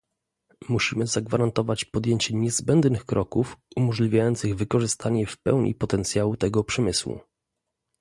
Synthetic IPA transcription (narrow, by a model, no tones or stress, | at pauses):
muɕimɘzaɡvaɾant̪ɔvat͡ɕpɔd̪jeɲt͡ɕɛɲɛzbɛnd̪nɘxkɾɔkufumɔʐlʲivʲjajɔnt̪sɘɣvɘkɔʐɘst̪aɲɛfpɛ̰wɲʔḭpɔt̪ɛnt̪sʲjawut̪ɛɡɔpʂɛmɘswṵ